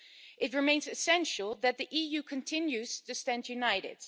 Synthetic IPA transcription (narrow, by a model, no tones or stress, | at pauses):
ʔɨt̚ɹɨmẽɪ̃nzɨsɛ̃nʃl̩ˠðɨt̪̚ðiʔijʉkʰɨ̃ntʰɪ̃njʉz̥tʰɨstæ̃ndjʉnaɪɾɪ̰d̥